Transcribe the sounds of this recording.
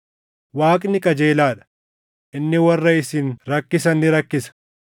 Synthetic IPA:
waːkʼnɪkʼɐd͡ʒeːlaːᶑɐ̥ | ʔɪnːɪwɐrːɐɪsinɾɐkːɪsɐnːɪɾɐkːɪsɐ̥

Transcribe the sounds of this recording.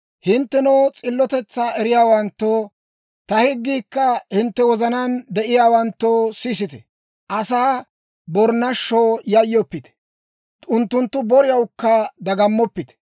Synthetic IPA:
hɪnt̪ːɛnot͡sʼɪlːɔt̪ɛt͡sːaːɛɾɪjaːwɐnt̪ːoː | t̪ɐhɪɡːiːkːɐhɪnt̪ːɛwɔzɐnand̪ɛʔɪjaːwɐnt̪ːoːsiːs̬ɪt̪ɛ̥ | ʔɐsaː | bɔɾnɐʃːoːjɐjːɔpːɪt̪ɛ̥ | ʊnt̪ːʊnt̪ːʊbɔɾɪjɐwkːɐd̪ɐɡɐmːɔpːɪt̪ɛ̥

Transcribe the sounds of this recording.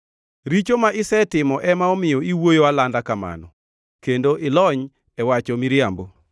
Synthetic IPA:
ɾit͡ʃomaʔɪsɛtɪmɔʔɛmaɔmɪjɔiwojoalandakama̰nɔ | kendoʔɪlɔɲ | ɛwat͡ʃomiɾjambo

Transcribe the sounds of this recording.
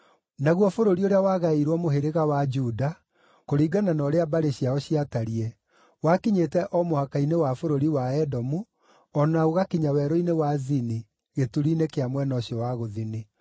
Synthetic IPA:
naɣwɔfoɾoɾioɾeawaːɣaiɾwɔmoɦeɾeɣawad͡ʒuda | koɾiɡananɔɾeabaɾeɕiaɔɕiataɾiɛ | wakiɲetɛʔɔmohakainewafoɾoɾiwaɛdɔmu | ɔnaoɣakiɲawɛːɾɔinewazini | ɣetuɾiːnekeamwɛnɔɕjɔwaɣoðini

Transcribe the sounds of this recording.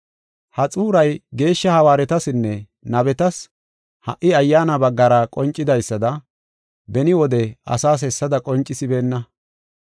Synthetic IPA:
hɐt͡sʼuːɾɐjɡe̞ːʃːɐhɐwaːɾɛt̪ɐsɪnːɛ | nɐbɛt̪ɐs | hɐ̰ʔɪɐjːaːnɐbɐɡːɐɾɐkʼɔnt͡ʃʼːɪd̪ɐjsːɐd̪ɐ | bɛnɪwɔd̪ɛɐ̰saːs̬ɛsːɐd̪ɐkʼɔnt͡ʃʼːɪsɪbe̞ːnːɐ

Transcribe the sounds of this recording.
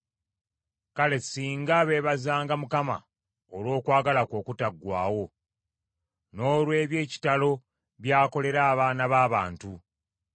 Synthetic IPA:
kale̞siːŋɡaβe̞ːβazaːŋɡamukama̰ | olwo̞ːkwaːɡalako̞ːkutaɡːwa̰ːwo̞ | no̞ːlwe̞ːβje̞ːci̥talo̞ | βjaːko̞le̞ɾaːβaːnaβaːβa̰ːntu

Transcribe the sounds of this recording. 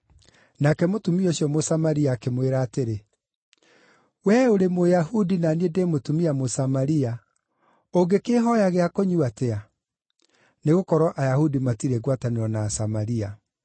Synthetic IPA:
nakɛmotumioɕjɔmosamaɾiakemweɾaːteɾe | wɛoɾemojahudinaniedemotumiamosamaɾia | oɡekeɦɔjaɣeakoɲuatea | neɣokɔɾɔʔajahudimatiɾeɣwataneɾɔnaːsamaɾia

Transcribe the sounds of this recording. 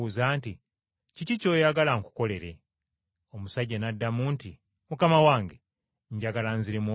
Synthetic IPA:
uzaːnti | cicico̞ːjaɡalaŋku̥ko̞le̞ɾe | omusaɟanadːamuːnti | mukamawaːŋɡe | ɲɟaɡalanziɾemo

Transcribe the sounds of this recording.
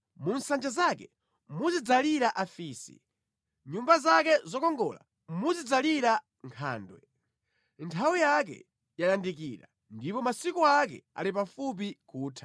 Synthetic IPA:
munsand͡ʒazakɛ | muzid͡zaliɾaʔafiːsḭ | ɲumbazakɛzɔkɔŋɡɔ̰la̰ | muzid͡zaliɾa | ŋkʰa̰ːndwɛ̰ | ntʰawijak̬ɛ̰ | jalandikiɾa̰ | ndipɔmasikuakɛ̰a̰lip̬afup̬ikʰuːtʰḁ

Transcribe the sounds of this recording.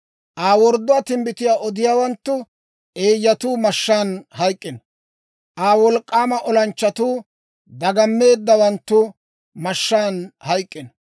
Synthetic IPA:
ʔaːwɔɾd̪ːʊat̪ɪmbɪt̪ɪjaːʔɔd̪ɪjaːwɐnt̪ːʊ | ʔe̞ːjːɐt̪uːmɐʃːaːnhɐjkʼːɪn | ʔaːwɔlkʼːaːmɐʔɔlɐnt͡ʃːɐt̪uː | d̪ɐɡɐmːe̞ːd̪ːɐwɐnt̪ːʊ | mɐʃːaːnhɐjkʼːɪnɔ

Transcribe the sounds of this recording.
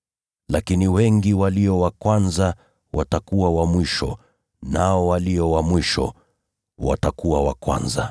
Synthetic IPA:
lakiniwɛŋɡiwaliɔwakwanza | watakuwawamwiʃɔ̰ | naɔwalijɔwamwiʃɔ̰ | wa̰takuwawa̰kwa̰nza̰

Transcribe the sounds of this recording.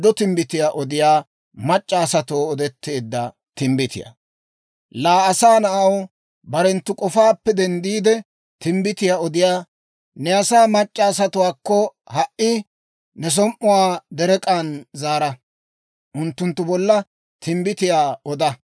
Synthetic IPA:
d̪ɔt̪ɪmbɪt̪ɪjaːʔɔd̪ɪjaː | mɐt͡ʃʼːaːsɐt̪oːɔd̪ɛt̪ːeːd̪ːɐ̰ | t̪ɪmbɪt̪ɪ̰jɐ̰ | laːɐsaːnɐʔɐw | bɐɾɛnt̪ːʊkʼɔfaːpːɛd̪ɛnd̪iːd̪ɛ | t̪ɪmbɪt̪ɪjaːɔd̪ɪjaː | nɛɐsaːmɐt͡ʃʼːaːs̬ɐt̪ʊwaːkːɔ | hɐʔɪ | nɛs̬ɔmʔʊwaːd̪ɛɾɛkʼanzaːɾɐ | ʔʊnt̪ːʊnt̪ːʊbɔlːɐ | t̪ʰɪmbɪt̪ɪjaːɔd̪ɐ

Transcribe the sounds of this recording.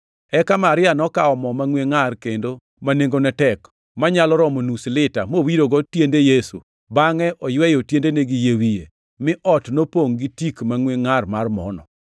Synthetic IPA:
ɛkamaɾɪanɔkaɔmɔmaŋweŋarkendo | maneŋɡonɛtɛk | maɲalɔɾɔmonuslɪta̰mowiɾoɡɔtjendejesṵ | baŋɛʔɔjwɛjotjendeneɡijewije | mɪʔɔtnopoŋɡitikmaŋweŋarmarmɔ̰nɔ̰

